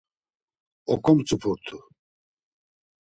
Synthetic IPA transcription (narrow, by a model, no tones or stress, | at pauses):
ɔkʼɔmt͡sʼupʰuɾt̪ʰu